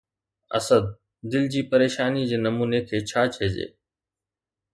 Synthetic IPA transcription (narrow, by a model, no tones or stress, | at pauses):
ə̰səd̪̚ː | ɪld͡ʑiːpəɾeːʃaːnid͡ʑeːnɐmuːnekʰeːt͡ɕʰaːt͡ɕʰeːd͡ʑḛː